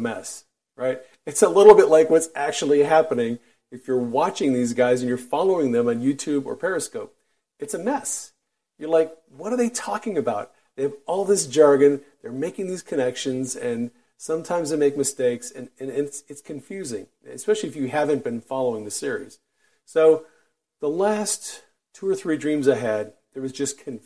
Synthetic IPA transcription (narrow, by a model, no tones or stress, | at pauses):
mɛ̰s | ɹaɪt̚ | ɨtsəlɪɾl̩ˠbɪʔˡlaɪkwʌtsæk̚t͡ʃul̩ˠiɦæpɨnɪ̃ŋ | ɨfjə˞wɑt͡ʃɪ̃ŋðizɡaɪzɨ̃njə˞fɑlˠoʊɪ̃ŋðɨ̃mɨ̃njʉtʰʉbə̰˞pʰɛɹɨskoʊp̚ | ɨtsɨmɛs | jə˞laɪk̚ | wʌɾə˞ðeɪtʰɔkɪ̃ŋɨbaʊt̪̚ | ðeɪɨvɔlˠðɪsd̥ʒ̥ɑɹɡɨ̃nðə˞meɪkɪ̃ŋðiz̥kʰɨnɛkʃɨ̃nzɨ̃n | sʌ̃mtʰãɪ̃mzðeɪmeɪk̚mɨsteɪksɨ̃nɨ̃nɨntsɨtskʰɨ̃ɱfjʉzɪ̰̃ŋ | ɨ̰spɛʃl̩ˠiɨfjɨɦævɨ̃nb̥ɨ̃nfɑlˠoʊɪ̃ŋðɨsɪɹḭz̥ | soʊ | ðəlæstʰː | ʉə˞θɹidɹĩmzaɪɨd̪̚ | ðə˞wʌzd͡ʒʌskʰɨ̃n